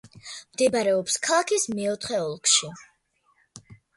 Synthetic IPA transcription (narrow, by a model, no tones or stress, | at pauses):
md̪ɛbaɾɛɔpskʰalˠakʰismɛɔt̪ʰχɛɔlˠkʰʃi